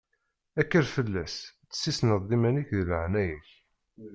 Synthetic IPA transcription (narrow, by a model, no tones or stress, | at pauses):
ækːəɾfəlːæst͡sːə̥sːisnəðˤːimæniçðləʕnæjæç